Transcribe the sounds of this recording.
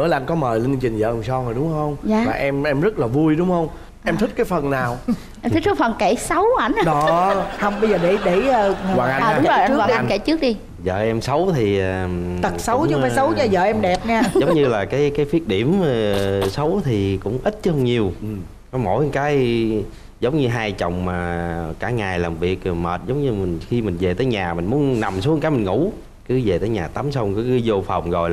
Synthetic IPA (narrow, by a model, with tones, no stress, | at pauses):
ɨ˧˨˦ə˦laː˨ʔnkɔ˨˦məː˨˩jlə˧ŋ˧t͡ɕï˨˩ŋ̟zə̰ː˧˨˩sɔ˧ŋo˨˩jɗʊ˨˦ŋ͡mhə˧wŋ͡maː˨˩maː˨˩ʔɛ˧mʔɛ˧mzə˦˥t̚laː˨˩vu˧jɗʊ˨˦wŋ͡mhə˧wŋ͡m | ʔɛ˧mt̪ʰï˦˥k̚kːaː˨˦jfə˨˩nnaː˨˩w | ʔɛ˧mʰi˦˥t̚ɨ˦˥fə˨˩nke˧˩sə˨˦wʔa˧˩jn˨ɗɔ˨˦hə˧wŋ͡mɓə˧jzəː˨˩ɗe˧˩ɗe˧˩əː˧˩˧waː˨˩ʔaː˧˨˩ʊ˦ŋ͡mzo˨˩ʔwaː˨˧ʔa˧jke˧˩t͡ɕɨ˦˥ək̚ɗi˧ | zə̰ː˨ʔɛ˧msə˨˦wt̪ʰi˨˩ə˨˩t̪ə˨˩t̚sə˨˦wt͡ɕːfaː˨˦jsə˨˦wɲɔ˧˩zə̰ː˧˨˩ʔɛ˧mɗɛ˨˩p̚ɲaː˧zə˨˦wŋ͡mɲɨ˧laː˨˩kaː˨˦jkaː˨˦jfi˦˥ət̚ɗi˧˩əm | sə˨˦wt̪ʰi˨˩kʊ̰˧˥ŋ͡mʔi˦˥t̚t͡ɕhwŋ͡mɲi˨˩əw | kɔ˨˦mo̰˧˩jkaː˨˦j | zə˨˦wŋ͡mɲɨ˧ɦaː˧jt͡ɕə̰˧˨wŋ͡mmaː˨˩kaː˧˩ŋaː˨˩jlaː˨˩mvḭ˨˩ək̚mə̰ː˨˩t̚zə˨˦wŋ͡mɲɨ˧mï˨˩ŋ̟xi˧mï˨˩ŋ̟ze˨˩t̪əː˨˦jɲaː˨˩mï˨˩n̟mu˨˦ənna˨˩msu˨˦əŋkaː˨˦jmï˨˩ŋ̟ŋṵ˧˩˥ | kɨ˨˦ze˨˩t̪əː˨˦jɲaː˨˩t̪a˨˦msə˧wŋ͡mkɨ˨˦kɨ˨˦zo˧fa˨˩wŋ͡mzo˨˩jl